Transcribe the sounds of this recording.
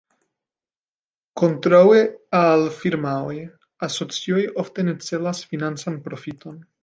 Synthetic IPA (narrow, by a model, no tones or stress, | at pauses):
ko̞ntɾawealfiɾmaoj | aso̞t͡sio̞jo̞fte̞ne̞t͡se̞lasfinant͡sanpɾo̞fito̞n